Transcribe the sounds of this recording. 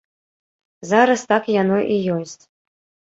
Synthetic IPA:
zaɾɐst̪akjanɔʔijɔsʲt͡sʲ

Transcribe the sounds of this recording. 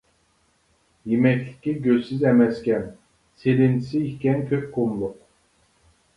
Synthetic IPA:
jimɛclʲi̥cʲiɟøzsizɛmɛscʲæn | selint̪ʰi̥siːçcʲɛnkʲʰøp̚ʲkʰumlˠuq

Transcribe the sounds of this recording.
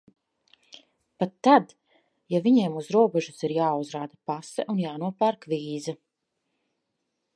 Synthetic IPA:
pat̪ːad̪ | javiɲeːmuzɾuɔbɛʒusiɾjaːuzɾaːd̪apasɛ̰ʔunjaːnuɔpaɾkviːza

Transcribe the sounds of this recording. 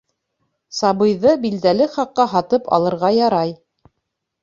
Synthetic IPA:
sɑbɤ̆jðɤbild̪ælɘχɑqːɑɦɑt̪ɤpɑ̰lˠɤ̆ɾʁɑjɑɾɑj

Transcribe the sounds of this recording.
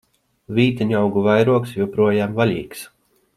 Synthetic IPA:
vʲiːt̪ɛɲʲawɡuvajɾuɔksjupɾuɔjaːmvalʲḭːks

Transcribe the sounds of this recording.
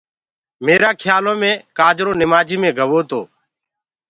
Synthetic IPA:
meːɾaːkʰjaːlõːmẽːkaːd͡ʒɾoːnɪmaːd͡ʒiːmẽːɡʱəʋoːt̪o̰ː

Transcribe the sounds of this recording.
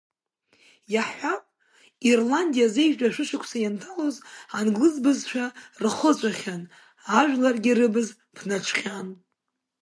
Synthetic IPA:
jaħʷapʼ | irlandijaze̞jʒᶣdaʃʷɨʃʷakʷʰsajantʰalozanɡlɨzbɨzt͡ʃʷʰᶣarɨχət͡ɕʷʼaχʲan | aʒᶣlarɡʲɪrɨbɨz | pʰnat͡ʃʷʰχʲan

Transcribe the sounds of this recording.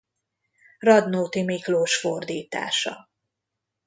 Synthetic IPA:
rɒd̪noːt̪imikloːʃford̪iːt̪a̰ːʃɒ̰

